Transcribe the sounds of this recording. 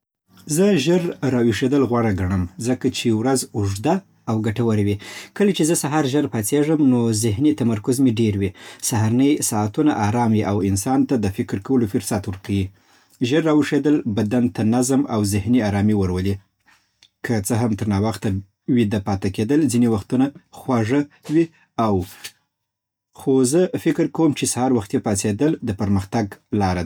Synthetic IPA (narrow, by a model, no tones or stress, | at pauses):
zəʒəɾːɑwiʂed̪əlɣwɑɽaɡaɳəmzəkat͡ʃewɾazʊʐd̪aː | wɡaʈawəɾawikəlat͡ʃezəsaɦɑɾʒəɾpat͡seʐəmnozɪɦnit̪amaɾkʊzmiɖeɾwisaɦaɾanəjsɑat̪unaʔaɾɑmwiʔawɪnsɑnt̪ad̪əfɪkɾkawəlofʊɾsat̪wəɾkʰawi | ʒəɾːɑwəʂed̪əlbad̪ant̪anazmawzɪhniɑɾɑmiwəɾwəli | kʰət͡səɦamt̪əɾnɑwaxt̪a | wid̪apɑt̪aked̪əlzinewaxt̪unaxwaʐəwi | aw | xozəfɪkɪɾkawəmt͡ʃesahɑɾwaxt̪japɑsed̪əld̪əpəɾməxt̪aɡlɑɾa